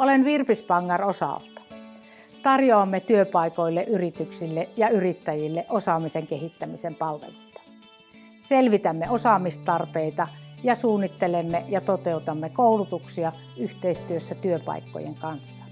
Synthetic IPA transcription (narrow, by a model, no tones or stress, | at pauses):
olenʋirpispɑŋːɑrosɑ̰lt̪ɑ̥ | t̪ɑrjoɑmːet̪yøpɑˑikoilːeʔyrit̪yksilːejɑyrit̪ːæjilːeʔosɑmiseŋkehit̪ːæmisempɑlʋḛlut̪ːɑ̥ | selʋit̪æmːeʔosɑmist̪ɑrpeit̪ɑjɑsuːnːit̪ːelemːejɑt̪ot̪eut̪ɑmːekoˑulut̪uksiɑ | yht̪eist̪yøsːæt̪yøpɑ̰ikːo̰jḛŋkɑnsːɑ̥